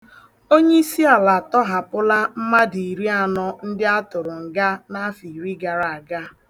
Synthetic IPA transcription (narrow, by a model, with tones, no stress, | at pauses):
o˦ɲe˦i˦si˦a˨la˨tɔ˦ɦa˨pʊ˦la˦m̩˦ma˦di˨i˨ɾi˦a˨nɔ˦n̩˦dɪ˦a˦tʊ˨ɾʊ˨ŋ̩˨ɡa˦na˦fi˨ɾi˦ɡa˨ɾa˨a˨ɡa˦